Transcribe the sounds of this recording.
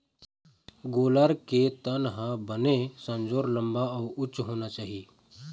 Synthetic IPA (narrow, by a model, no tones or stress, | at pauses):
ɡoːlaɾket̪ənɦãbənesə̃nd͡ʒoːɾlə̃mbaɔːɾʊt͡ʃɦoːnat͡ʃaːɦie